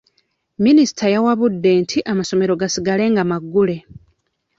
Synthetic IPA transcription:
minisi̥tʰajawaβudːe̞ːntʰiʔamaso̞me̞ɾoɡasiɡale̞ːŋɡamaɡːule̞

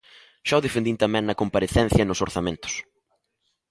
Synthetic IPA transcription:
ʃawðefend̪int̪amɛ̃ŋnɐkompaɾeθɛnθjɐnʊsoɾθamẽnt̪ʊ̥s

